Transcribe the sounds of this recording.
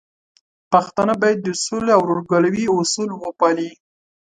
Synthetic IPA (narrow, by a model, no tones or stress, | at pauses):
paxt̪anabɑjad̪ːəsuleawɾoɾɡalawiʊsulwəpɑli